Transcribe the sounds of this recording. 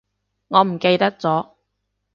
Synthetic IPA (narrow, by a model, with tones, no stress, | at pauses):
ŋɔː˨˧m̩˨˩ke˧jt̪ɐ˥k̚t͡sɔː˨˥